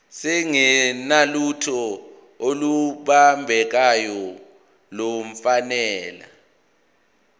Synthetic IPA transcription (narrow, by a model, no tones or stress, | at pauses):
sɛŋɛnalutʰɔ | oluɓambʱɛk̬ajɔ | loɱ̩fanɛːla̰